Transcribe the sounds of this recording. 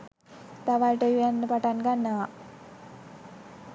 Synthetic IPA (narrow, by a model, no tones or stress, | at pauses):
t̪aʋajʈəuænːəpaʈanɡanːəʋa